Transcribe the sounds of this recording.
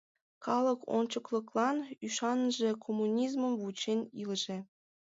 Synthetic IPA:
kɑlɤ̆kʰont͡ɕɤklˠɤ̆klˠɑnyʃɑnʒĕkʰomːunʲizmə̆mvut͡ɕenʲilʒĕ

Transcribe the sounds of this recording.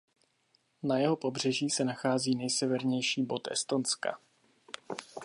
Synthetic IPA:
najɛɦo̞po̞br̝ɛʒiːsɛnaxaːziːnɛjsɛvɛɾɲɛjʃiːbo̞t̪ʔɛ̰st̪o̞nska̰

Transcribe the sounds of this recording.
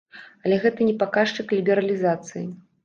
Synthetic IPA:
ɐlʲɛɣɛt̪ɨnʲɛpakaʂt͡ʂɨklʲibʲɛɾɐlʲizat̪sɨjḭ

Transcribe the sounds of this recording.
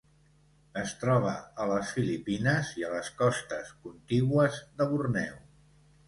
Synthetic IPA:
əst̪ɾɔβ̞əələsfilipinəziələskɔst̪əskunt̪iɣwəzðəβurnɛw

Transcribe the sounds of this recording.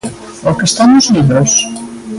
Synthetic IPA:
ɔkest̪anʊzliβɾos

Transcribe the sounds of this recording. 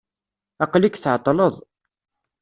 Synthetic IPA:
ɑqlikːθʕt̪ˤːləðˤ

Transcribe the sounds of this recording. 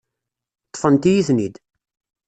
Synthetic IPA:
t̪ˤːə̥fənt̪ijiθnid̪

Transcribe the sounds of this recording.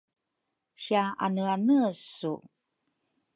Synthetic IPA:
ɕiaa̰nəanəsṵ

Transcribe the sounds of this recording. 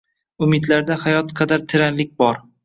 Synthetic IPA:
ʊmɪd̪laɾd̪ahajɒt̪qʰɑd̪aɾt̪ʰɪɾanlɪk̚ʲbɒɾ

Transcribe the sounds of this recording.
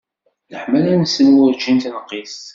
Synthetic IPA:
ləħmælænsːənwʊɾd͡ʒint̪nəqːis

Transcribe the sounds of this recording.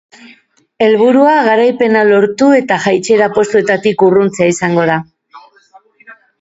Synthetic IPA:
e̞lβuɾuaɣaɾajpe̞nalo̞ɾt̪ue̞t̪aʝajt͡ʃe̞ɾapo̞st̪ue̞t̪at̪ikurunt͡seaisaŋɡo̞ð̞a

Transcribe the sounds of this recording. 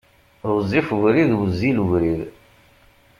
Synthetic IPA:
ðozˤːifuvɾiðwəzːiluʝɾið

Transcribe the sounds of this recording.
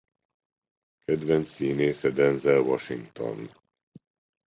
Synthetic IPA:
kɛd̪vɛnt̪siːneːsɛd̪ɛnzɛlvɒʃiŋɡt̪o̞̰n

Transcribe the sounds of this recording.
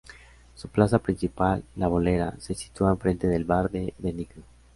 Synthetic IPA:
suplas̬apɾinsipalːaβoleɾa̰se̞si̥t̪uaeɱfɾe̞nt̪eðe̞lβaɾðeðeniɣɾo

